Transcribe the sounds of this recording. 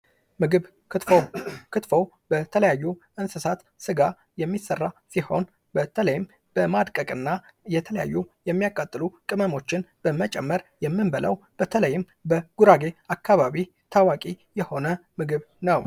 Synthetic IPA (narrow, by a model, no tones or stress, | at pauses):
mɨɡɨβ | ɨt̪fokʰɨt̪fo̞w | bət̪ʰələjajːuʔɨnsɨsat̪ | sɨɡa | jɛmːisːərːasiho̞̰n | bət̪ʰələjɪm | b̥əmad̪kʼəkʼɨnːa | jɛt̪ʰələja̰jːujɛmːijakʼat̪ʼːɨlukʼɨməmo̞t͡ʃːɪnb̥əmət͡ʃʼɛmːəɾjɛmːɨnbəlʔə̰w | b̥ət̪ʰələjːɪm | bəɡ̥uɾaɡe̞akʰːaβaβi | t̪ʰawakʼi | jɛho̞nəmɨɡɨβ | nəw